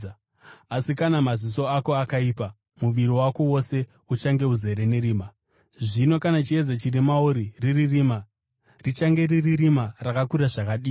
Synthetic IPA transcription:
asikanamaziso̞ako̞akaipa | muʋiɾiwako̞wo̞se̞ | ut͡ʃaŋɡe̞uze̞ɾe̞ne̞ɾiːma | ʐino̞kanat͡ʃie̞zat͡ʃirimauɾiriririːma | rit͡ʃaŋɡe̞riririmarakakuɾaʐakaɗiː

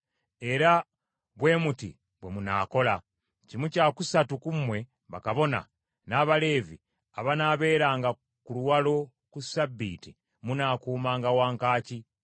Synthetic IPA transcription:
e̞ɾa | βwe̞ːmutḭ | βwe̞muna̰ːko̞la | cimucaːkusatukumwe̞ | βakaβo̞na̰ | naːβale̞ːvi | aβanaβe̞ːɾaːŋɡa | kuluwalo̞ | kusabːiːti | munaːkuːmaːŋɡawaːŋkaːci

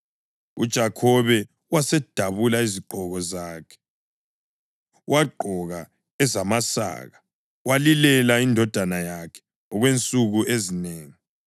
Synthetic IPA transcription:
ṵd̥ʒ̥ʱakʰɔβɛ | wasɛd̥ʱaβulaiziɡ͡ǃʱɔɣɔzaːkʰɛ̥ | wʔaɡ͡ǃʱɔɣa | ɛzamasa̰ːɣa | walilɛlaindʱɔd̥ʱanajakʰɛ̥ | ɔɣwent͡sʼuɣuʔezineːŋi

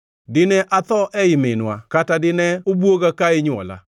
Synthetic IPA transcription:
dɪnɛʔat̪ɔʔɛɪmɪnwakatadɪnɛobwoɡakaɪɲwɔ̰la̰

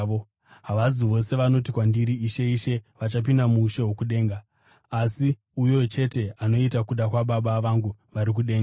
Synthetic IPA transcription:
o | ɦaʋaziʋo̞se̞ʋano̞tikwandiɾiːʃe̞iʃe̞ʋat͡ʃap̬indamuːʃeɦokuɗe̞ːŋɡaː | si | ujot͡ʃe̞te̞ano̞itakuɗakwaɓaɓaʋaŋɡuʋaɾik̬uɗe̞ːŋɡa

